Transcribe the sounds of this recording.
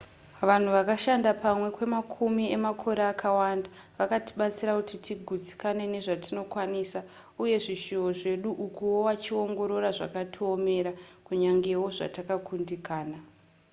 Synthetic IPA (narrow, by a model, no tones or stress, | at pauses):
ʋan̤uʋakaʃandapamwe̞kwe̞makʰumiemakʰo̞ɾeakʰawanda | ʋakati̥ɓat͡siɾakutitiɡʱud͡zi̥kane̞ne̞ʐatino̞kwanisa | uje̞ʐiʃooʐe̞ɗuʔukuwowat͡ʃio̞ŋɡo̞ɾo̞ɾaʐa̰katʰiome̞ɾakuɲaŋɡe̞wo̞ʐa̰takakundikaːna